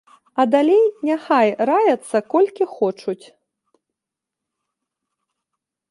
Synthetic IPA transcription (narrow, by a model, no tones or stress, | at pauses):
ɐd̪alʲejnʲaxajɾajɐt̪sːɐkɔlʲkʲixɔt͡ʂut͡sʲ